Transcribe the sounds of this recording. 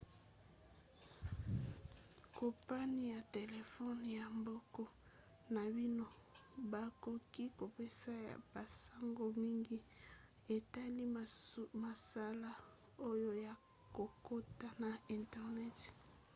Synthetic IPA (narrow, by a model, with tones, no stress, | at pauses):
ko˨pa˦ni˦ja˨te˨le˨fɔ˦n˨ja˨mbɔ˦kɔ˦ | na˨bi˦no˦ | ba˨ko˨ki˦ko˨pe˦sa˦ja̰˨b̥a˨sa˦ŋɡo˦mi˦ŋɡi˦ | e˨ta˦li˦ma˨sa˦la˦ | o˦jo˦ja˨ | ko˨ko˦ta˦na˨i˨ntɛ˨ʁnɛ˦t